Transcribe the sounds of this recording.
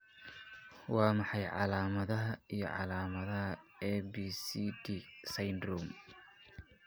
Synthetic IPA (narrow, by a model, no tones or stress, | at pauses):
wɑːmɑħɑjʕɑ̰laːmɐðɐɦɐijɞ̰ʕɑ̰laːmɐðɐɦɐɛbiːsiːd̪iːsɐjnd̪ruːm